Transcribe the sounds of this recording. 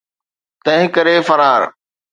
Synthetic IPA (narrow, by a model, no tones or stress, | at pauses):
t̪ɐ̃ɦɪ̃kɐɾefɐɾaːɾ